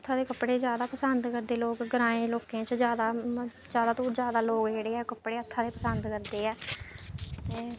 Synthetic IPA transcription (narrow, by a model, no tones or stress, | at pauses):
ət̪ʰːaːd̪eːkəpɽeːzjaːd̪aːpəsənd̪kəɾd̪eːloːkɡəɾãːẽːloːkẽːt͡ʃd͡ʒjaːd̪aː | d͡ʒjaːd̪aːt̪uːzjaːd̪aːloːkd͡ʒeːɽeːɛːkəpɽeːət̪ʰːaːd̪eːpəsənd̪kəɾd̪eːɛː | t̪eː